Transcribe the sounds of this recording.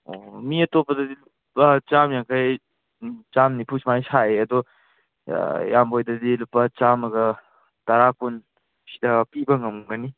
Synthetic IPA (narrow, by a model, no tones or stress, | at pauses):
o̰miɐtopːɐdɐdilupːɐt͡ʃamjaŋkʰaj | t͡ʃamnipʰusmajsʰaeɐdɔ | jambʱojdɐdilupːɐt͡ʃamɐɡɐ | tɐɾakʰun | sidɐpibɐŋɐmŋɡɐni